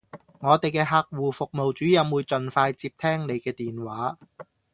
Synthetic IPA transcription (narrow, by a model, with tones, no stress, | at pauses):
ŋɔː˨˧t̪e˨jkɛː˧ɦaː˧k̚wuː˨˩fʊ˨k̚mo˨wt͡ʃyː˨˥jɐ˨˧mwuː˨˧jt͡sɵ˨nfaː˧jt͡siː˧p̚t̪ʰɛː˥ŋne˨˧jkɛː˧t̪iː˨˩nwaː˨˥